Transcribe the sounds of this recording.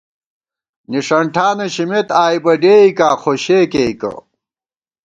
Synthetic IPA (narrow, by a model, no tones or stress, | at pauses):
niʂɐɳʈʰaːnɐɕimet̪aːjbɐɖeːikaːxoɕeːkeikɐ̰